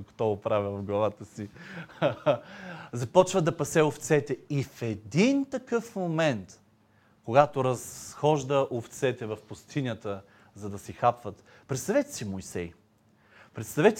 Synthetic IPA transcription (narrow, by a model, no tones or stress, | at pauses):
ko̥t̪ɔʊpɾavʲəvɐvɡlˠɐvat̪əsi | zɐpɔt͡ʃvəd̪ɐpɐsɛoft̪sɛt̪ɛifɛd̪int̪ɐkɤfmomɛnt̪ | koɡat̪oɾɐsxɔʒd̪əʔoft̪sɛt̪ɛvɐfpʊst̪ʰinʲət̪ə | zɐd̪ɐsixapvət̪ | pɾɛt̪st̪ɐvɛt̪ɛ̥simojsɛj | pɾɛt̪st̪ɐvɛt̪